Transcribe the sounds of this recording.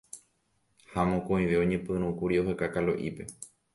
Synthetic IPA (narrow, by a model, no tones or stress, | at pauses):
hamõkõĩʋe̞õ̞ɲẽpɨ̃ɾ̃ũkuɾioɦekakaloʔipe̞